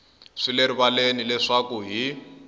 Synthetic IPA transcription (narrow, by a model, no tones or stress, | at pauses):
ʂileɾiβalenilɛʂakuɦi